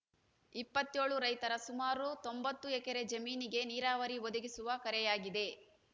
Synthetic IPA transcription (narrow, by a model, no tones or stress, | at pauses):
ipːɐt̪ːjo̞ːɭuɾɐjt̪ɐɾɐsumaːɾut̪ombɐt̪ːuɛkɐɾe̞d͡ʒɐmiːniɡe̞niːɾaːʋɐɾiʋod̪uɡisuʋɐkɐɾɛjaːɡid̪e̞